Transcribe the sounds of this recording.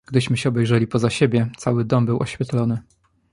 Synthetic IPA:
ɡ̥d̪ɘɕmɘɕɛɔbɛjʐɛlʲipɔzaɕebʲjɛt̪sawɘd̪ɔmbɘwʔɔɕfʲjɛt̪lɔnɘ

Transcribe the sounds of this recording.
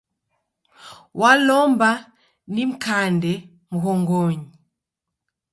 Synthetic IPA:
walɔmba | nim̩kandɛ | muɦɔŋɡɔɲi

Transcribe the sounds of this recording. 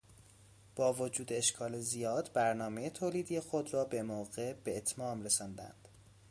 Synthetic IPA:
b̥ɒːvod͡ʒuːd̪eeʃkʰɒːlezijɒːd̪bæɾnɒːme̞jet̪ʰoːliːd̪ijexod̪rɒːbe̞moːɣe̞be̞ːt̪ʰmɒːmɾesɒnd̪æ̰nd̪̥

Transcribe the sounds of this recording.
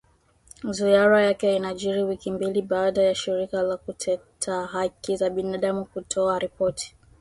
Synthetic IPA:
zuaɾajakɛinaʄiɾiwikimbiliɓaːɗajaʃiɾikalakutʰɛtʰaɦakizaɓinaɗamukutʰɔaɾipɔtʰi̥

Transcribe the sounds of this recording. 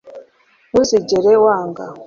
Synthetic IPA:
nuziɟeɾewaːŋɡa

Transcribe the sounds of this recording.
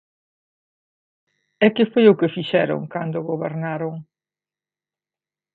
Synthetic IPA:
ɛkɪfojʊkɪfiʃɛɾʊ̰ŋkand̪ʊɣoβeɾnaɾʊŋ

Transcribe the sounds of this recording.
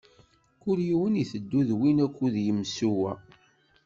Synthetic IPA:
kʊɾjiwəniθəd̪ːuðwinækʷːuðjəmsuwæ̰

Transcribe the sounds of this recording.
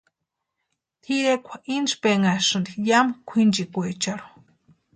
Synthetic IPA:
t̪ʰiɾekʷʰḁʔind͡ʒpeŋaʂɨnd̪ijamkʷʰind͡ʒikʷet͡ʃaɾu̥

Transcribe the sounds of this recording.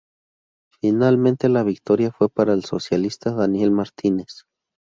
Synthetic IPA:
finalment̪elaβik̚t̪oɾjafwepaɾaelsosjalist̪aðanjelmaɾt̪ines

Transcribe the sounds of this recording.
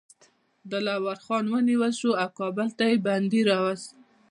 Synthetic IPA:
d̪əlawaɾxɑnwəniwəlʃuawkɑbəlt̪ajeband̪iɾɑwazt̪

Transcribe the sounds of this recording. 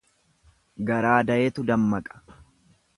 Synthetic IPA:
ɡɐɾaːd̪ɐʔeːt̪ʊd̪ɐmːɐkʼɐ̥

